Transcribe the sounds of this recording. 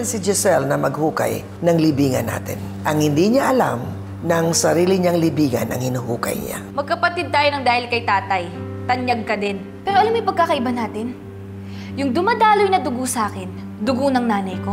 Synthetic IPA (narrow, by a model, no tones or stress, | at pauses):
nsɪd͡ʒɛsɛlnɐmɐɡhuːkɐ̰j | nɐŋlɪbiːŋɐnːa̰ːt̪ɪ̰n | ʔɐŋhɪnd̪iːɲaʔɐla̰m | nɐŋsɐɾiːlɪɲaŋlɪbiːŋɐ̰nʔɐ̰ŋhɪnuhuːkɐ̰jɲa̰mɐɡ̚kɐpɐt̪id̪̚t̪aːjonɐŋd̪aːhɪlkɐjt̪aːt̪ɐj | t̪ɐnjɐɡ̚kɐd̪ɛn | pɛːɾoʔɐlamjʊpɐɡ̚kːakɐʔɪbanaːt̪ɪn | jʊŋd̪ʊmad̪aːlojnɐd̪ʊɡusaːkɛn | d̪ʊɡonɐŋnaːnɐjko